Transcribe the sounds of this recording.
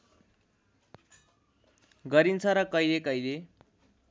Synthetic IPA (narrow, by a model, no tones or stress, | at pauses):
ɡʌɾint͡sʰʌɾʌkʌjlekʌjle